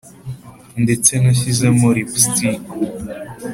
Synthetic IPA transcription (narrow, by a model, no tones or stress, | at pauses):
ndet͡senaɕ̬izamoɾipsti